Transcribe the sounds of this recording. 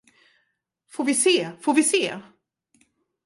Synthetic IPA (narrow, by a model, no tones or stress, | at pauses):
foːɾvɪseːfoːɾvɪseː